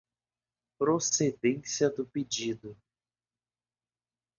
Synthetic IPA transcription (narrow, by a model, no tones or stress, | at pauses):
pɾosed̪ẽsiɐd̪ʊped͡ʒid̪ʊ